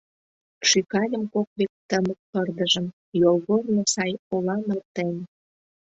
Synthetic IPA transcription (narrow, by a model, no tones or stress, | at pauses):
ʃykɑlʲəmkok̚βek̚t̪əmək̚pərd̪əʒəm | jolɣornosɑjolɑmərt̪en